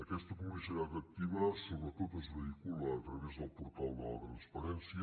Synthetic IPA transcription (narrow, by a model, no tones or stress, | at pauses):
əkɛst̪əkuməʃəɾat̪ək̚t̪iβəsoβɾət̪ot̪əzβəikuləːt̪ɾəβɛzðəlˠpuɾt̪alˠd̪ələ̰t̪ɾənspəɾɛnsjə